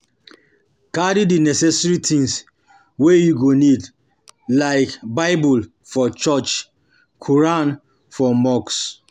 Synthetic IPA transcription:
kadidinɛsɛsɹitʰĩŋs | wejuɡonid | laɪkbaɪbul | fɔt͡ʃɔt͡ʃ | kʰuɹãn | fɔmɔks

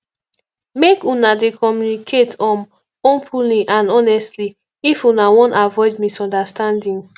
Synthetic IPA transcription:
mekunadekʰɔmjunikʰetɔ̃m | onpʰuliʔãnɔnɛstli | ifunawɔ̃ntavɔɪdmisɔ̃ndastãndĩŋ

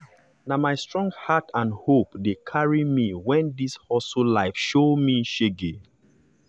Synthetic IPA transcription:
namaɪstɹɔ̃ŋɡhatãnhopdekʰaɹimiwɛ̃ndishɔsulaɪfʃomiʃeɡe

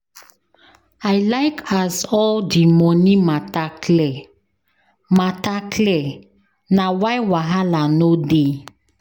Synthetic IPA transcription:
aɪlaɪkʰasɔldimɔnimatakʰlɛ | matakʰlɛ | nawaɪwaɦalanode

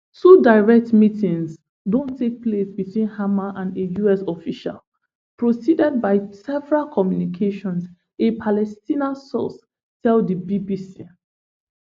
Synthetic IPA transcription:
tudaɪɹɛk̚tmitĩŋs | dõntʰek̚plesbitwĩnhamaʔãndejuɛsɔfiʃa̰l | pʰɹosidɛd̚baɪsɛvɛɹalkʰɔmjunikʰeʃɔ̃ns | epʰalɛstĩnasɔ̰s | tʰɛldəbibisi

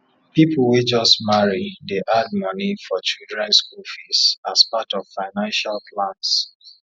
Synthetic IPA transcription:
pipʰl̩ˠwed͡ʒʌstmaɹideʔad̚mʌnifɔt͡ʃildɹɛ̃nskufisaspatɔv̥faɪnãnʃalplãns

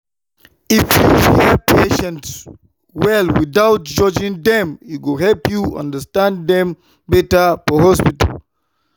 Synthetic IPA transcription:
ifjufiəpʰeʃɛ̃nts | wɛlwidawt̚d͡ʒɔd͡ʒĩŋd̪ɛ̃miwilɦɛlpjuã̰ndəstãnddɛ̃m | bɛtəpɔɦɔspita̰l

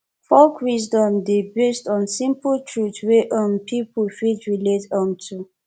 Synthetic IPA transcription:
fɔlkwisdɔ̃mdebestɔ̃nsĩmpəltʰɹutweʔə̃mpʰipəlfitɹiletə̃mtʰu

